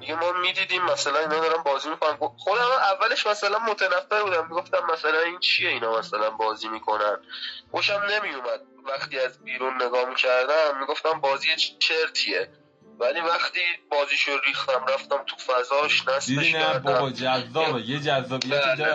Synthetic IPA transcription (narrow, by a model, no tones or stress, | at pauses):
d̪iɡemɒːmid̪iːd̪iːmːæsælæninɒd̪ɒːɾæmbɒːziːmikʰonæmɡoχod̪æmæʔævːæle̞ʃmæsælænmot̪ʰænæfːeɾbuːd̪æmːiɡo̞ft̪æmːæsælænint͡ʃʰie̞inɒmæsælænbɒːziːmiːkʰo̞nænxoʃæmne̞mijumæd̪̥̚væxt̪iːæzbiːɾunːe̞ɡɒːhmicʰæɾd̪æmːiɡo̞ft̪æmbɒːziːjet͡ʃʰeɾt̪ʰie | væliːvæxt̪iːbɒːziːʃoɾiːxt̪æmɾæft̪æmt̪ʰu̥fæzɒːʃnæsd̪eʃnææɾb̪æd͡ʒæzːɒːbejed͡ʒæzːɒːbbæːle